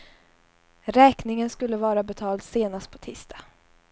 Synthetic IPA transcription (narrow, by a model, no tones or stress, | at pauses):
ɾɛːknɪŋənskɵlːəvɑːɾabɛt̪ʰɑːld̪seːnast̪̚pʰɔ̥t̪ʰiːst̪ʰḁ